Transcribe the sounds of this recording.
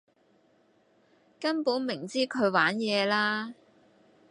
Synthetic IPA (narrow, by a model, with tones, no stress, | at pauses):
kɐ˥npuː˨˥nmɪ˨˩ŋt͡siː˥kʰɵ˨˧ɥwaː˨˥njɛː˨˧laː˥